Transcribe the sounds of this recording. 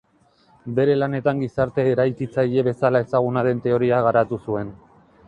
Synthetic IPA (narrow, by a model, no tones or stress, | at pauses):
be̞ɾe̞lane̞t̪aŋɡisaɾt̪e̞ːɾajkit͡saje̞βe̞salae̞saɣ̞unaɾe̞nt̪e̞o̞ɾiaɣaɾat̪usue̞n